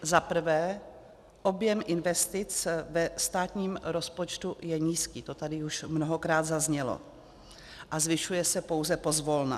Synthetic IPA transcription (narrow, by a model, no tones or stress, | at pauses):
zapr̩vɛː | ʔo̞bjɛmʔɪnvɛst̪ɪt͡svɛst̪aːt̪ɲiːmɾo̞spo̞t͡ʃt̪ujɛɲiːskiːt̪o̞t̪adɪuʃmnoɦokɾaːd̪zazɲɛlo̰ | ʔazvɪʃujɛsɛpo̞wzɛpo̞zvo̞lna̰